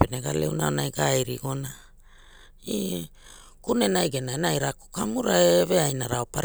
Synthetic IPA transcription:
peneɡale̞̰wnaonajɡajɾiɡo̞na | i | kune̞najɡenaenajɾako̥kamuɾaeve̞ajnaɾaopaɾ

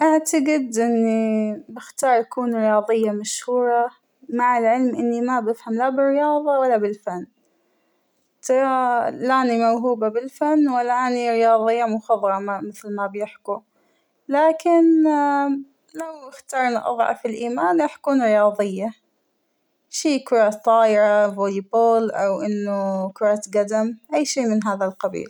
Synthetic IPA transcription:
ʔaʕt̪aɡɪd̪ʔɪnːibɪxt̪ɑːɾˤʔakuːnɾɪjɑːðˤɨjːamaʃhuːɾˤɑ | maʕɪlʕɪlmʔɪnːimabɪfhamlabɪrːɪjɑːðˤɑwalːabɪlfanː | t̪ɾˤɑlaʔanimawɦuːbabɪlfanːwalːaʔaniɾɪjɑːðˤɨjːamʊxɑðˤɾˤɑmamɪθlmabjɪħku | laːkɪn | lawʔɪxt̪ɑːɾˤnaʔɑ̰ðˤʕɑ̰filʔiːmaːnʔaħkuːnɾɪjɑːðˤɨɪjːa | ʃiːkʊɾˤɑt̪ˤːɑːʔɪɾavoliboːlʔawʔɪnːʊkʊɾˤɑːt̪ɡad̪amʔajːʃiːmɪnɦaːðalqɑbḭːl

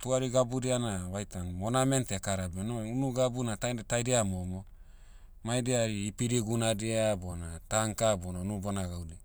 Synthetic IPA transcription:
tuaɾiɡabuɾianaβajtaŋmonamentekaɾabenounuɡabunataetajdeamomo | majdeaɾiːpiɾiɡunadeabonataŋkabonanubonaɡawdi

